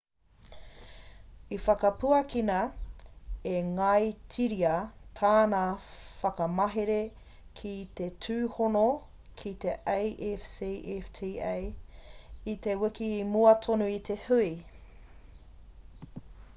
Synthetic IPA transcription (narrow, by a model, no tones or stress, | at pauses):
ifɐkɐpuɐkinɐ | eŋɐjtʰiɾiɐtʰaːnafɐkɐmɐɦeɾe | kʰit̪etʰʉːhono | kʰit̪eʔejʔefsiʔeftʰiːej | it̪ewikiːmuɐt̪ʰonuit̪ʰehui